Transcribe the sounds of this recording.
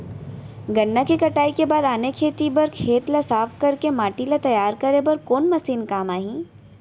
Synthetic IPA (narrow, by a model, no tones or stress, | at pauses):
ɡɐnːakikɐʈaːikebaːd̪aːnekʰeːt̪ibɐɾkʰeːt̪lasaːfʰkɐɾkemaːʈilat̪ɐjaːɾkɐɾebɐɾkoːnmɐsiːnkaːmaːɦĩː